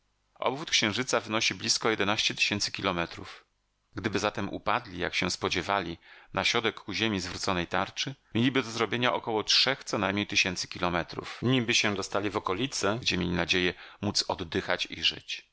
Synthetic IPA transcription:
ʔɔ̰bvut̪̚kɕɛ̃w̃ʐɘt̪savɘnɔɕiblʲiskɔjɛd̪ɛnaɕt͡ɕɛt̪ɘ̥ɕɛnt̪sɘ̥kʲilɔmɛt̪ɾṵf | ɡd̪ɘbɘzat̪ɛmʔṵpad̪lʲija̰kɕɛ̃spɔd͡ʑɛvalʲinaɕɾɔd̪ɛkːuʑemʲizvɾut̪sɔnɛjt̪aɾt͡ʂɘmʲjelʲibɘd̪ɔzɾɔbʲjeɲaʔɔkɔwɔtʂɛxt̪sɔnajmɲejt̪ɘɕɛnt̪sɘ̥kʲilɔmɛt̪ɾṵfɲibɘɕɛ̃d̪ɔst̪alʲivɔkɔlʲit̪sɛɡd͡ʑɛmʲjelʲinad͡ʑejɛmut̪sɔd̪ːɘxat͡ɕiʐɘ̰t͡ɕ

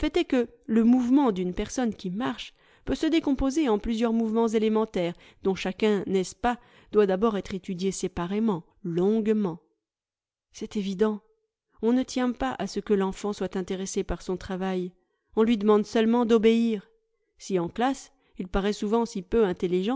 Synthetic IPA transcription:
əfɛt̪ɛkə | ləmuvmɑ̃d̪ynpɛʁsɔnkʲimaʁʃ | pøsəd̪ekɔ̃pozeɑ̃plyzjœʁmuvmɑ̃zelemɑ̃t̪ɛʁ | d̪̥ɔ̃ʃakʲɛ̃nɛspa | d̪wad̪abɔʁɛt̪χet̪yd̪jesepaʁemɑ̃ | lɔ̃ɡmɑ̃ | sɛt̪evid̪ɑ̃ | ɔ̃nət̪jɛ̃paʔasəkəlɑ̃fɑ̃swat̪ɛ̃t̪eʁesepaʁsɔ̃t̪χavaj | ɔ̃lɥid̪əmɑ̃d̪sœlmɑ̃d̪ɔbeiːʁ | siɑ̃klas | ilpaʁɛsuvɑ̃sipøɛ̃t̪eliʒɑ̃

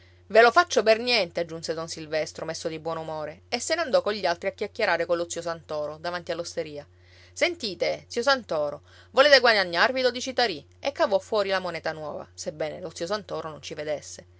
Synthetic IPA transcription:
velofat͡ʃːobernjɛnt̪ead͡ʒːunsed̪onsilvɛst̪ɾomesːod̪ibwɔːnumoːɾeesːenand̪ɔkoʎːialt̪ɾiakjakːjeɾaːɾekolːot̪sios̬ant̪ɔːɾod̪avant̪ialːost̪eɾiːa | sent̪iːt̪et̪siːos̬ant̪ɔːɾo | voleːt̪eɡwad̪aɲːarvid̪ɔd̪it͡ʃit̪aɾi | ekːavɔfːwɔːɾilamonɛːt̪anwɔːva̰sebːɛːnelot̪sios̬ant̪ɔːɾonont͡ʃived̪esːe

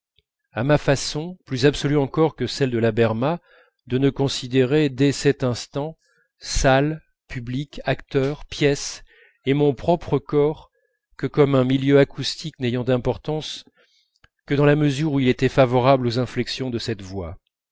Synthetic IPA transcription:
amafasɔ̃plyzabsɔlyɑ̃kɔʁkəsɛld̪əlabɛʁma | d̪ənəkɔ̃sid̪eʁed̪ɛsɛt̪ɛ̃st̪ɑ̃ | sal | pyblikakt̪œʁpjɛs | emɔ̃pχɔpχəkɔʁ | kəkɔmɛ̃miljøakʰust̪ʰiknejɑ̃d̪ɛ̃pɔʁt̪ɑ̃s | kəd̪ɑ̃laməzyʁuilet̪ɛfavɔʁablozɛ̃flɛksjɔ̃d̪əsɛt̪vwa

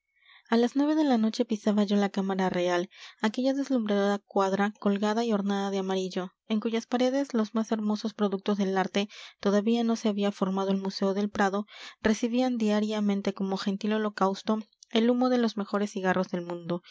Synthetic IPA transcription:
alaznwe̞βe̞ðe̞lano̞t͡ʃe̞pisaβaʝo̞lakamaɾare̞alake̞ʝaðe̞zlumbɾeðoðakwaðɾako̞lɣaðaio̞ɾnaðað̞eamaɾiʝo̞ | e̞ŋkuʝaspaɾe̞ðe̞zlo̞zmase̞ɾmo̞so̞spɾo̞ðuk̚t̪o̞zðe̞laɾt̪e̞t̪o̞ðaβiano̞se̞aβiafo̞ɾmað̞o̞elmuse̞oðe̞lpɾaðo̞re̞siβiand̪iaɾjamẽnt̪e̞ko̞mo̞xe̞nt̪ilo̞lo̞kawst̪o̞e̞lumo̞ðe̞lo̞zme̞xo̞ɾesːiɣarʔo̞zðe̞lmũnd̪o̞

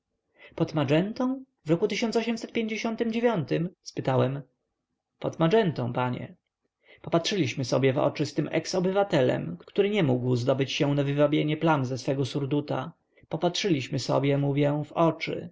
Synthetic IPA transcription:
pɔt̪mad͡ʐɛnt̪ɔ̃w̃ | vɾɔkut̪ɘɕɔ̃nt̪ɔɕɛmsɛt̪̚pʲjeɲd͡ʑeɕɔnt̪ɘmd͡ʑevʲjɔnt̪ɘmspɘt̪awɛm | pɔt̪maʐɛnt̪ɔ̃w̃paɲɛ̰ | pɔpatʂɘlʲiɕmɘsɔ̰bʲjɛvɔ̰t͡ʂɘst̪ɘmʔɛ̰ksɔbɘvat̪ɛlɛ̰mktt̪uɾɘɲɛmuɡwzd̪ɔbɘt͡ɕɕɛw̃navɘvabʲjeɲɛplanzɛsfɛɡɔsuɾd̪ut̪a̰ | pɔpatʂɘlʲiɕmɘsɔ̰bʲjɛmuvʲjɛvɔt͡ʂɘ̰

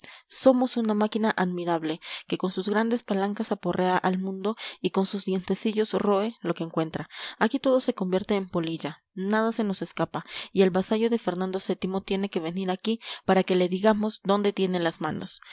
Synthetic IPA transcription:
so̞mo̞sunamakinaʔaðmiɾaβle̞ke̞ko̞nsuzɣɾand̪e̞spalaŋkasapo̞rʔe̞aʔalmũnd̪o̞iko̞nsuzd̪je̞nt̪e̞siʝo̞sro̞e̞lo̞keːŋkwe̞nt̪ɾaakit̪o̞ð̞o̞se̞ko̞mbje̞ɾt̪e̞ːmpo̞liʝa | nað̞ase̞no̞se̞skapaie̞lβasaʝo̞ðe̞fe̞ɾnãnd̪o̞se̞t̪imo̞t̪je̞ne̞ke̞βe̞niɾakipaɾake̞le̞ðiɣamo̞zd̪o̞nd̪e̞t̪je̞nenlazmãno̞̰s

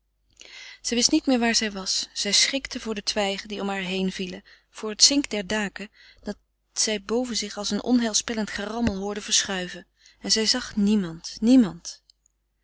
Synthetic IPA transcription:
z̥ɛjʋɪstnitmɪːɹʋaːɹzɛjʋɑsz̥ɛjsχɪktəvʊːɹdətʋɛjχəndiɔmɦaːɹɦejnv̥ilə | v̥ʊːɹɦətsɪŋkdɛɹdaːkə | d̥ɑt | sɛjbowvənzɪχɑlˠsənʔɔ̰nɦɛlˠspɛləntχarɑməlˠɦʊːɹdəv̥əɹsχœɥvə | ɛnzɛjzɑχnimɑntnimɑnt

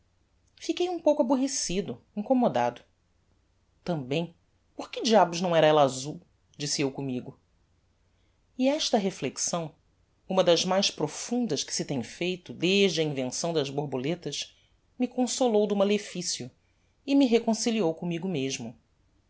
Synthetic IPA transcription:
fikejũpowkabuɦesid̪ʊ | ĩŋkomod̪ad̪ʊ | t̪ɐ̃mbẽj̃ | pʊχkɪd͡ʒiabʊznɐ̃w̃ɛɾɐɛlɐazuw | d͡ʒisiewkõmiɡʊ | iɛʃt̪ɐɦefleksɐ̃w̃ | ũmɐd̪ɐzmajʃpɾofũnd̪ɐʃkɪ̥sɪt̪ẽj̃fejt̪ʊd̪eʒd͡ʒɪɐĩvẽsɐ̃w̃d̪ɐzboɾbolet̪ɐʃ | mɪkõsolowd̪ʊmalefisiʊ | ɪmɪɦekõsiliowkõmiɡʊmeʒmʊ

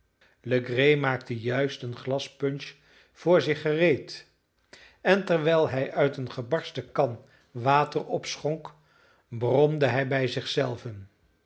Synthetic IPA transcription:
ləɡrejmaːktəjœɥstənχlɑspɵnʃ | fʊːɹzɪχərejt | ɛntɛɹʋɛlˠɦɛjʔœɥtənχəbɑɹstəkɑn | ʋaːtərɔpsχɔŋk | brɔmdəɦɛjbɛjzɪχsɛlˠvən

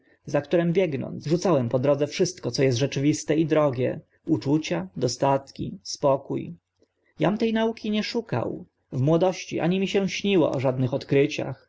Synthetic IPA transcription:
zakt̪uɾɛmbʲjɛɡnɔ̰nsʐut̪sawɛmpɔd̪ɾɔd̪zɛfʂɘst̪kɔt̪sɔjɛst̪ʐɛt͡ʂɘvʲist̪ɛid̪ɾɔɡʲjɛ̰ | ut͡ʂut͡ɕad̪ɔst̪at̪kʲḭspɔkuj | jamt̪ɛjnaukʲiɲɛʂuka̰w | vmwɔd̪ɔɕt͡ɕḭʔa̰ɲimʲiɕɛ̃ɕɲiwɔ̰ʔɔʐad̪nɘxɔt̪kɾɘt͡ɕa̰x

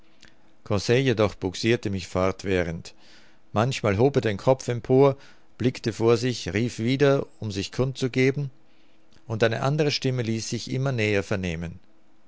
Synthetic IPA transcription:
kʰɔsɛjedɔχb̥ʊksiːɐtəmɪçfɔɐtv̥ɛːʁənt | mançmaːlɦoːbeːɐdeːnkʰɔp͡fɛmpʰoːɐ | b̥lɪktəfoːɐzɪçʁiːfv̥iːdɐʊmzɪçkʰʊnt̚t͡suɡeːbm̩ | ʔʊntʔaɪnə̰ʔandəʁ̞əʃtɪməliːsz̥ɪçʔɪ̰mɐnɛːɐfɛɐneːmən

